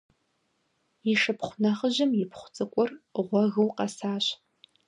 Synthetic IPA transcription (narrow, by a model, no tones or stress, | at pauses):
iʂɨpʰχʷʊnɐχəʑɪmjɪpʰχʷʊt͡sʼɨkʷʼʊrʁʷɔɣɨwqɐsaːɕ